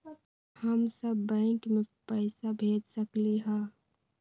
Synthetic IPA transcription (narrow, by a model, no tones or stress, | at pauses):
həmsəbːɛ̃ːkmẽpəɪsabʱeːd͡ʒsəkliɦɛ̃ː